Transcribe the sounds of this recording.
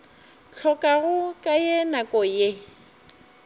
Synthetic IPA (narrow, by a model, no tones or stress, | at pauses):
t͡ɬʰɔkʼaɣʊkʼajeɛnakʼɔje